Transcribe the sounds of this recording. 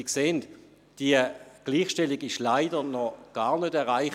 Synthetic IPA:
kseːnt | d̥iəɡ̥liːχʃtɛliɡɪʃlaɪdənɔɡ̥aːʁnødɛʁʁaɪχ

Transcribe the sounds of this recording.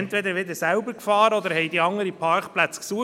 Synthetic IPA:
nt̪ʋɛd̪əɾʋɪd̪əsæʊbəɾkfɑːɾəɔd̪əɾhɛjd̪iɑŋəɾipʰɑɾkplæt͡sksuə

